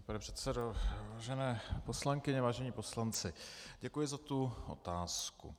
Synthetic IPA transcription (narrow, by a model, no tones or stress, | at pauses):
panɛpr̥ɛt̪sɛdovaːʒɛnɛːposlaŋkɪɲɛvaːʒɛɲipo̞slant͡sɪɟɛkujɪzat̪uʔo̞̰t̪aːskṵ